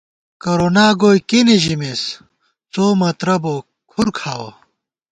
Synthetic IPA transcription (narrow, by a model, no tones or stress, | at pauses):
kɐɾoːnaːɡoːjkiniʑimes | t͡soːmɐt̪ɾɐbo | kʰuɾkʰaːwo